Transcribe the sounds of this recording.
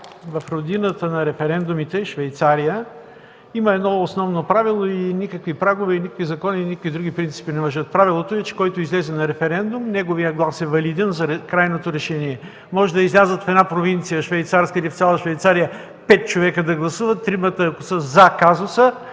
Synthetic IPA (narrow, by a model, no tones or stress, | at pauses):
vɐfɾod̪inət̪ənɐɾɛfɛɾɛnd̪ʊmit̪ɛʃvɛjt̪saɾijə | iməɛd̪nɔosnɔvnopɾavilˠoinikəkvipɾaɡovɛinikəkvizɐkɔninikəkvid̪ɾuɡ̟ipɾint̪si̥pinɛvɐʒət̪̚pɾavilˠot̪oɛt͡ʃɛ̥kɔjt̪ʊizlɛzɛnɐɾɛfɛɾɛnd̪umnɛɡovijəɡlˠasɛvɐlid̪ɛnzɐɾɛkɾajnot̪oɾɛʃɛniɛ | mɔʒɛd̪ɐizlʲazət̪fɛd̪napɾovint̪sijəʃvɛjt̪saɾskəlift̪sʲalˠəʃvɛjt̪saɾijə | pɛt̪̚t͡ʃovɛkəd̪ɐɡlˠɐsuvət̪ːɾimət̪əːkosəzɐkazosə